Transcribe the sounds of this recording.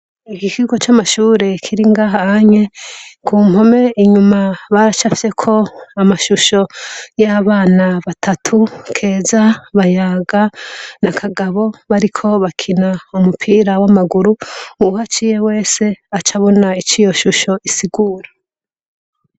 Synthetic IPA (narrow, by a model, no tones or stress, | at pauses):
ikikiɡo̞t͡ʃamaʃuːɾe̞kʰiɾiŋɡaːɦahaɲe̞kʰuːm̥ho̞me̞iɲumaβaɾat͡ʃafi̥se̞kʰo̞amaʃuʃo̞jaβaːnaβatʰatʰukʰe̞ːzaβajaɡanakʰaɡaβo̞βaɾikʰo̞βakʰinaumupʰiːɾawamaɡuɾuuhat͡ʃije̞we̞ːse̞at͡ʃʰaβo̞nait͡ʃijo̞ʃuʃo̞ʔisiɡuːɾa